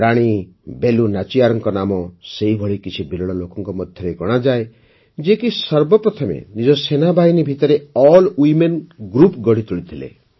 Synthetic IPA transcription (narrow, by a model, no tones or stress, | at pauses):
ɾaɽ̃ibelunat͡ʃijaɾɔŋkɔnamɔseɦibʱɔɭikit͡ʃʰibilɔɭɔlokɔŋkɔmɔd̪ʱjɔɾeɡɔɽ̃ad͡ʒae | d͡ʒekisɔɾbɔpɾɔt̪ʰɔmḛnid͡ʒɔsenabʱainibʱit̪ɔɾeɔlwimenɡɾupɡɔɽit̪uɭit̪ʰilḛ